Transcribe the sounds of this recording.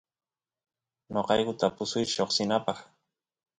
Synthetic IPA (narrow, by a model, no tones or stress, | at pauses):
noqɑjkʊt̪apʊsʊjʃoχsɪnapɑχ